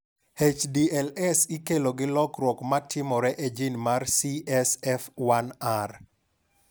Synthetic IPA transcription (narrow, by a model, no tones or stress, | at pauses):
het͡ʃdiɛlɛsikeloɡɪlɔkɾwɔkmatʰɪmɔɾɛʔed͡ʒinmarsiɛsɛfwanar